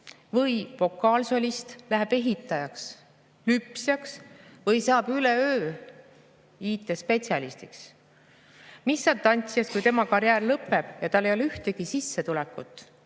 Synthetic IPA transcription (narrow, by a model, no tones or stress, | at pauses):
vɤjfo̞kːˑɑːlso̞lʲist̪læɦeb̥e̞ɦit̪ːˑɑjɑks | lypsjɑksvɤjsɑːb̥yleøː | iːt̪ːˑespe̞tsiɑlist̪iks | misːɑd̚t̪ɑnʲt̪siɑskujt̪e̞mɑkɑɾjæːrlɤpːˑe̞b̥jɑt̪ɑlːe̞joleyht̪eɡ̥isisːe̞t̪ulɛkːˑut̪ːˑ